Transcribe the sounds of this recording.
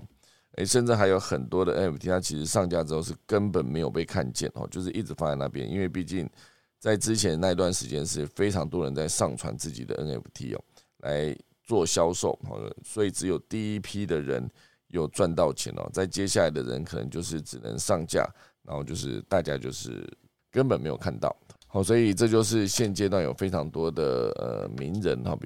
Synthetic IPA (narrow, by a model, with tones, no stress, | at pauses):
ḛ˥˩ɪʂə˥˧nʈ͡ʂ̩˥˩xa˧˥ɪjo˧˥ʊxə˨˩nt̪wɔ˥d̪ə˨ʔə˦ne˨˩pt̪ʰi˦˥a˥˩t͡ɕʰi˧˥ʂɻ̩˧˥ʂɑ˥˧ŋt͡ɕja˥˩ʈ͡ʂɻ̩˧˥˧ʂɻ̩˥˩kə˦˥npə˨˩nme˧˥ɪjo˨˩pe˥˧ɪkʰa˥˧nt͡ɕjɛ̰˥˩nxɔ̰˨˩t͡ɕjo˥˧ʊʂ̬̩˥ʔi˥˩ʈ͡ʂɻ̩˧˥fa˥t͡sa˥˧ɪna̰˥˩pjɛ̰˦nʔḭ˥nwe˥˧ɪpi˥˧t͡ɕi˥˩ŋ | t͡sa˥˩ɪʈ͡ʂɻ̩˥t͡ɕʰjɛ˧˦nna˥˧i˧t̪wa˥˩nʂɻ̩˧˥t͡ɕjɛ˦nʂɻ̩˥˩fe˥ɪʈ͡ʂʰɑ˧˥ŋt̪wɔ˦ɻə˧˦nt͡sa˥˧ɪʂɑ˥˩ŋt͡sʰwa̰˧˦nt͡sɹ̩˥˩t͡ɕi˨˩d̪ə̰˦ʔə˦˥nḛ˨˩pʰt̪ʰḭ˥ɔ̰˨˩ | la˧˦ɪ | t͡swɔ˥˨ɕjɑ˥ʊʂo˥˩ʊxɔ̰˨swɔ˧˥i˨˩ʈ͡ʂɻ̩˧˥jo˨˩ʊt̪i˥˩i˥pʰi˥d̪ə˨ɻə̰˧˦˥n | jo˥˩ʊt͡swa˥˧nt̪ɑ˥˩ʊt͡ɕʰjɛ̰˧˥nɔ̰˨˩t͡sa˥˩ɪt͡ɕjɛ˥ɕ̬ja˥˩la˧˥ɪd̪ə̰˨ɻə̰˧˦nkʰɤ˨˩nə˧˦ŋt͡ɕjo˥˧ʊʂɻ̩˥˩ʈ͡ʂɻ̩˨˩nə̰˧˥ŋʂɑ˥˧ŋt͡ɕja̰˥˩ | na˧˥xo˥˧ʊt͡ɕjo˥˧ʊʂɻ̩̰˥˩t̪a˥˩t͡ɕja˦˥t͡ɕjo˥˧ʊʂɻ̩̰˥˩ | kə˦˥npə˨nme˧˥ɪjo˨˩kʰa˥˧nt̪ɑ̰˥˩ʊhɔ˨˩swɔ˧˥i˨˩ʈ͡ʂɤ˥˧t͡ɕjo˥˧ʊʂ̬ɻ̩˥˧ɕjɛ˥˧nt͡ɕjɛ˥t̪wa˥˩njo˨˩ʊfe˥ɪʈ͡ʂʰɑ˧˥ŋt̪wɔ˥d̪ə̰˨ə̰˨˩mi˧˥ŋɻə̰˧˥nxɔ̰˨˩p